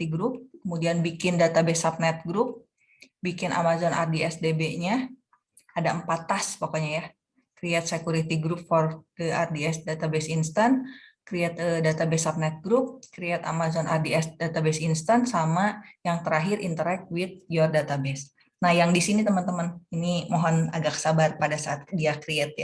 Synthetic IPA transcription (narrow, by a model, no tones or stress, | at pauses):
iɡɾʊp̚kəmudianbikɪndat̪abesap̚nɛt̪̚ɡɾup̚ | bikɪnʔa̰mazɔnʔa̰rdiɛsdebeɲa | adaəmpat̪ːaspakoɲaja | kɾiɛt̪̚sekuɾit̪iɡɾup̚fɔrdəʔardiɛsdat̪abɛsinst̪ankɾiɛt̪̚ədat̪abɛsap̚nɛt̪̚ɡɾup̚kɾiɛt̪a̰mazɔnʔardiɛsdat̪abɛsinst̪ansamajaŋt̪əɾaɦɪɾḭnt̪əɾɛk̚t̪̚wɪt̪̚jɔrdat̪abɛs | nahjaŋdisinit̪əmənt̪əməninimoɦɔna̰ɡaksabarpadasaːt̪̚diakɾiɛt̪̚ja